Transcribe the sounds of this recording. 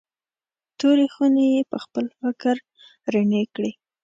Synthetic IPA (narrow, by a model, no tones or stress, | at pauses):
t̪oɾixunejepəxpəlfɪkəɾ | ɾaɳekɽi